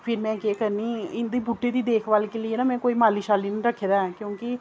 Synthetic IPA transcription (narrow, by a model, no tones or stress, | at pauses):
pʰɪɾmɛ̃ːkeːkəɾniːɪnd̪eːbuːʈːeːd̪iːd̪eːkʰʋaːlkelɪeːnaːmɛ̃ːkoːiːmaːliːʃaːliːnĩːɾəkʰːeːd̪aɛkjõːkɪ